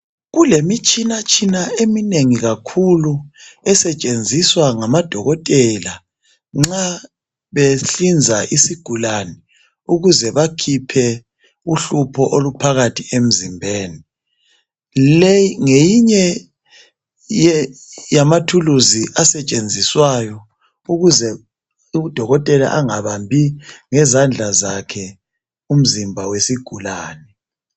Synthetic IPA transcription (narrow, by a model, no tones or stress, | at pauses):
ɣulemit͡ʃʼinat͡ʃʰʼinaemineŋiɣakʰuluɛsɛt͡ʃʼend͡zʱiswaŋamad̥ʱɔɣɔtʼɛla | ŋ͡ǁa | βeɬind͡zʱaʔisiɡ̥ʱulanɛ | uɣuzɛβakʰipʰɛ | uɬupʰɔʔolupʰaɣatʰiem̩zimbʱeːni | lejiŋejiɲɛ | jjamatʰuluziʔasɛt͡ʃʼend͡zʱiswajɔ | uɣuzɛ | ud̥ʱɔɣɔtʼɛla̰ʔaŋaβambʱiŋɛzand͡ɮʱazakʰɛ | um̩zimbʱawesiɡ̥ʱulaːnɛ